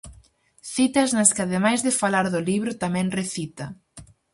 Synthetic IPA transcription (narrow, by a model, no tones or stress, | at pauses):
θit̪ɐznɐskɪaðemajzðɪfalaɾðʊliβɾʊt̪amɛ̃ŋreθit̪ɐ